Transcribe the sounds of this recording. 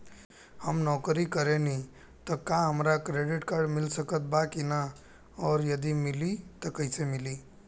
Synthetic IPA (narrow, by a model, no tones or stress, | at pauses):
həmnɔkɾikəɾeni | t̪ɔkaɦəmɾakɾeɖiʈkaɾɖmilsəkət̪̚bakina | ɔːɾjəd̪imilit̪əkəɦɪsemili